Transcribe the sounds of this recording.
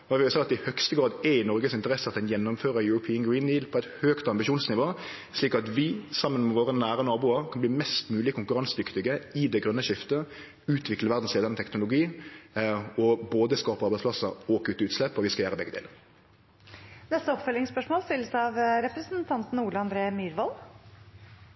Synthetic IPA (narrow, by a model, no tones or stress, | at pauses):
ɛʋɪʋɪsɛɪɑt̪ɪhœkst̪əɡɾɑːd̪ɛɪnɔɾɡəsɪnt̪əɾɛsəɑt̪d̪ɛnjɛnːʊmføːɾəjʉɾʊpʰiːəŋɡɹiːnd̪iːdlpʰɔɛt̪høːkt̪ɑmbɪʃuːnsnɪʋoː | sliːkɑt̪ʋɪsɑmːənmɛʋoːʁənæːɾənɑːbuːəɾkʰɑnb̪iːmɛst̪mʉːlɪkʰʊŋkʉɾɑnsd̪ʏkt̪ɪɡəɪd̪ɛɡɾœnːəʃɪft̪ə | ʉːt̪ʰʋɪkləʋæʁd̪n̩sleːd̪ənət̪ʰɛknʊlʊɡiː | ɔboːd̪əskɑːpəʁɑɾbæɪspʰlɑsəɔkʰʉt̪ːəʉːt̪slɛpːɔʋɪskɑjæːʁəbɛɡəd̪ḛːləʁ | nɛst̪əɔpfœlɪŋspœʂmoːlst̪ɪlːəsɑʋɾɛpɾəsn̩t̪ʰɑnt̪n̩uːləɑnd̪ɾeːmyːɾʋɑl